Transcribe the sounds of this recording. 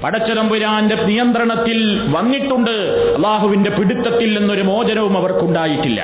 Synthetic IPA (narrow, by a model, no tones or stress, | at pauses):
pɐɽɐt͡ɕːɐɾɐmbuɾaːnde̞nijɐnd̪rɐɳɐt̪ːil | ʋɐnːiʈːuɳɖɨ | ɐlˠːaːɦuʋinde̞piɽit̪ːɐt̪ːilːenːo̞ɾumo̞ːd͡ʑɐnɐʋumɐʋɐrkuɳɖaːjiʈːilːɐ̰